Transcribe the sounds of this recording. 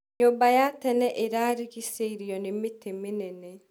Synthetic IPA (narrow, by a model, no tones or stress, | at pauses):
ɲobajatɛnɛʔɪɾaɾikiseɾiɔnɪmɪtʰemɪnɛnɛ